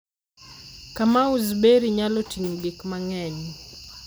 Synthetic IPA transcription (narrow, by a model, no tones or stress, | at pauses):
kamauzbeɾiɲalɔtiŋɡikmaŋɛɲ